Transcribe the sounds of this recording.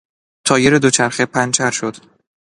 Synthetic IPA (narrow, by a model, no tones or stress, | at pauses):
t̪ʰɒːjeɾed̪ot͡ʃʰæɾxepʰænt͡ʃʰæɾʃo̞d̪̥